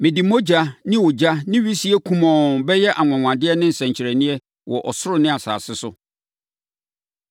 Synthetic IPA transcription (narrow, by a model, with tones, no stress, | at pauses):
mɪ̃˨di˨mo˦d͡ʑa˦nɪ̃˦wɔ˨d͡ʑa˦nɪ̃˦ɥi˦si˦ɛ˦kʰũ˦mɔ̃˨nbɛ˦jɛ˦ʔa˨ŋʷã˨ŋʷã˨dɪ˦ɛ˦nɪ̃˦n̩˨sɛ̃˨ɲ˨t͡ɕʰɪ˨ɾɛ˨nĩ˦ɛ˦ | wɔ˨ʔɔ˨sʊ˦ɾʊ˨nɪ̃˦a˨sa̰ː˨sɪ˦sʊ˦